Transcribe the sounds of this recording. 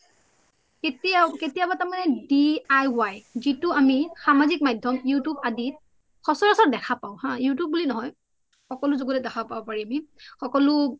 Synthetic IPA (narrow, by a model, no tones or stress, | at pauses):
ketketijabatamanɛdiajwajzitʊamixamazik̚majdʱɔmjutubadit̚ | xɔsɔɹasɔt̚dɛkʰapaʊ̃hãjutjub̚bulinɔɦɔj | xɔkɔlʊzoɡutɛdɛkʰabpabɔpaɹiamixɔkɔlʊ